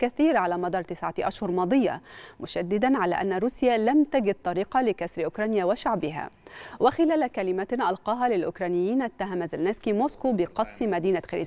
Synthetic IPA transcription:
kaθiːɾʕalaːmɑd̪ˤɑːɾˤt̪ɪsʕaʔaʃhʊɾˤmɑːd̪ˤɨjːɑ̰mʊʃad̪ːɪd̪anʕala̰ʔanːaɾuːsjaːlamt̪aɡɪd̪̚t̪ˤɑɾiːqɑlɪkasɾʔʊkɾˤɑːnɪjawaʃaʕbɪɦa̰wɪxɪlæːlkalɪmaʔɑlqɑːɦalɪlʔʊkɾˤɑːnɪjːiːnʔat̪ːaɦamzelneskimoːskubɪqɑsˤfmad̪iːnaxɪɾi

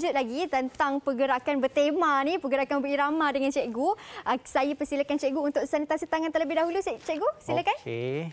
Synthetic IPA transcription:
d͡ʒʊt̪̚laɡit̪ənt̪aŋpəɡəɾakanbət̪emanĩpəɡəɾakanmbəiɾamadəŋant͡ʃɛʔɡuəsajəpəsilakant͡ʃɛʔɡuːnt̪ʊʔsanit̪asit̪aŋant̪ələbɪhdaɦulust͡ʃɛʔɡusiləkane

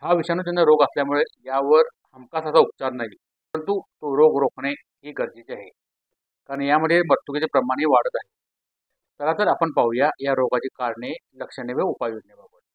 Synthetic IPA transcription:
ɦaʋiʂanːuːd͡ʑinːaɾoɡəsljamuɭejaʋəɾhəmkasəsaup̚t͡ɕaɾnaɦippəɾənt̪ut̪oɾoɡɾokʰɳe | ɦiːɡəɾd͡ʑit͡ɕaɦe | kaɾəɳjaməd̪ʱːjeməɾt̪ːukit͡ɕepɾəmaɽ̃iʋaɽət̪aɦe | t̪əɾat͡səɾapəɳpawjajaɾoɡat͡ɕiːkaɾɳeləkʂəɽeʋeupajʋod͡ʑnəbabul

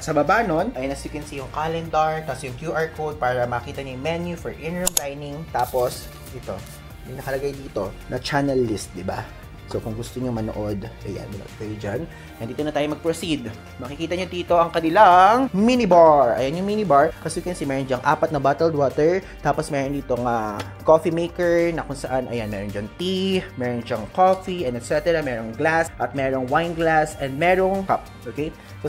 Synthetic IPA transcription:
sɐbɐbano̞nʔɐjnɐsikwɛnsijʊŋkaːlɛnd̪ɐɹt̪ɐsjʊŋkjuʔaɹkʰowd̪̚paːɾɐmɐɐkiːt̪ɐɲojʊŋmɛnjufɛɹʔɪnɹlajnɪŋt̪aːpos | ʔɪt̪o̞ | jʊŋnɐkɐlɐɡajd̪iːt̪o̞nɐt͡ʃanɛlːist̪̚d̪ɪba̰ | sokʊŋɡʊst̪oɲomɐno̰ʔod̪ʔɐja̰nmɐno̰ʔod̪̚kɐjod͡ʒan | nɐnd̪iːt̪onɐt̪aːjomɐɡ̚pɾosid̪ | mɐkɪkiːt̪ɐɲod̪iːt̪o̞ʔɐŋkɐnɪlaŋminɪbaɹʔɐ̰jɐnjʊŋminɪbaɹkɐsʊkɐnsimɛːɾond͡ʒɐŋʔa̰ːpɐt̪̚nɐbaːt̪ɛld̪woːt̪ɛɹ | t̪aːposmɛːɾond̪iːt̪oŋa | kofimejkɛɹnɐkʊŋsɐʔanʔɐ̰janmɛːɾond͡ʒɐŋt̪imɛːɾonʃɐŋkoːfiɛnɛt̪̚t͡ʃɛt̪ɛɾɐmɛːɾoŋɡlasʔɐt̪̚mɛːɾoŋwajnɡlasɛnd̪̚mɛːɾoŋkap̚ʔoːkej | so

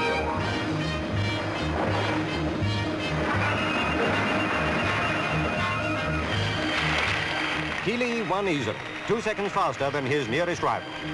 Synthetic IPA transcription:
kʰilˠiwʌ̃nizə̰lˠḭ | tʰusɛkn̩dz̥fæstə˞ðɨ̃nɪznɪɹɨstɹa̰ɪvəl̩ˠ

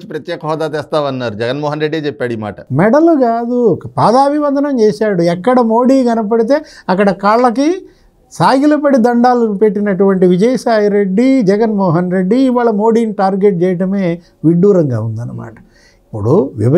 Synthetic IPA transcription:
t͡ʃːi̥pɾɐt̪jɛːkɐɦɔːd̪aːt̪ɛːst̪aːʋɐnːaːɾud͡ʒɛɡɐnmɔːɦɐnɾeɖːeːt͡ʃɛpːaːɽima̰ːʈɐmɛɖɐluɡaːd̪ukɐpaːd̪aːbʱiʋɐnd̪ʱɐnɐmt͡ʃɛːʃaːɽuɛkːɐɽɐmo̞ːɽiːɡɐnɐp̬ɐɽit̪̬e̞ːɐkːɐɽɐkaːɭlɐk̬i | saːɡilɐpɐɽid̪ɐɳɖaːlupeʈːinɐʈuʋɐɳʈiʋid͡ʒɐjɐsaːjɾeɖːid͡ʒɛɡɐnmɔːɦɐnɾe̞ɖːiːʋaːɭɐmoːɽiːniʈaːɾɡeʈ̚t͡ʃɛːjɐʈɐme̞ː | ʋiɖːuːɾɐŋɡa̰ːund̪ɐnːɐma̰ːʈɐ̥ | ipːuɽuʋḭbɐ

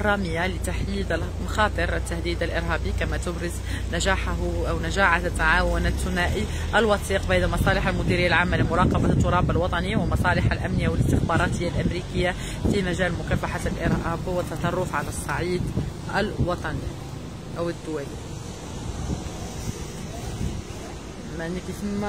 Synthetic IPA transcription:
rˤːɑːmɪjːalɪt̪aħjiːd̪al | mɑxɑːt̪ˤɨɾɪt̪ːahd̪iːd̪alʔɪɾɦæːbikamæt̪ʊbɾɪz | naʒaːħɦʔawnaʒaːħat̪ːaʕaːwʊnat̪ːʊnaːʔi | ʔalwɑθiːqbanamɑsˤɑːlɪħalmʊd̪iɾɪjːalʕaːmːalɪmʊɾˤɑːqɑbat̪ːʊɾˤɑːbalwɑt̪ˤɑniwɪmɑsˤɑːlɪħalʔamnɪjːawɪlɪst̪ɪxbɑːɾˤɑːt̪ɪjːalʔamɾiːkɪjːa | fimæʒæːlmʊkæːfaħalʔɪ̰ɾhæːbwɪt̪ːɑt̪ˤɑrˤːʊfʕalæsˤːɑʕiːd̪ʔælwɑt̪ˤɑni | ʔawɪd̪ːʊwæli | mnkismː

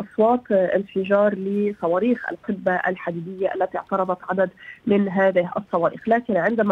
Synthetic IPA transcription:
ʔɑsˤwɑːt̪ʔɪnfɪʒɑːɾˤlɪsˤɑwɑːɾiːxa̰lqɪbːaʔa̰lħad̪iːd̪ɪjːaʔa̰lːat̪iʕt̪ɑɾˤɑd̪ˤɑt̪ʕad̪ad̪mɪnɦaːðɪhʔɑ̰sˤːɑwɑːɾḭːxlaːkɪnʕɪnd̪ama

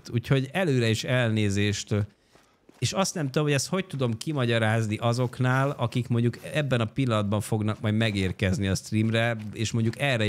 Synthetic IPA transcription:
t̪uːcho̞ɟɛløːɾɛeːʃɛlneːzeːʃt̪ | eːʃɒst̪nɛmt̪ud̪omhoɟɛst̪ho̞c̚t̪ud̪o̞mkimɒɟɒɾaːzniʔɒzo̞knaːlɒkikmo̞ɲɟukɛbːɛnɒpilːɒnɒd̪bɒɱfo̞ɡnɒkmɒjd̪mɛɡeːrkɛzniɒst̪riːmrɛeːʃmo̞ɲɟukɛrɛ

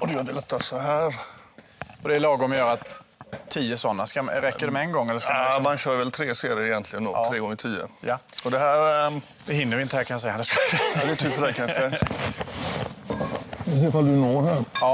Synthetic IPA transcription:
ɔd̪ɛjad̪ɛlɛt̪ːasɔɦæːɾ | ɔd̪ɛːlɑːɡɔmjœːɾat̪ʰː | iːəsɔnːaskaɾɛːəɖɛmɛɛnɡɔŋːɛlːəskkamanɕœːɾvɛlt̪ʰɾeːseːd̪əɾɪjɛnt̪ʰlɪɡənd̪o̰ɾeːɡɔŋːɪt̪ʰiːə̰jaɔd̪ɛɦæːɾ | d̪̥ɛɦɪnːəɾvɪɪnt̪əhæɾkʰanjasɛjːand̪ɛskasɛad̪ɛːt̪ʰyːpfədækʰanɧə | ɪseːfald̪ɵnoːɾhæɾɑ

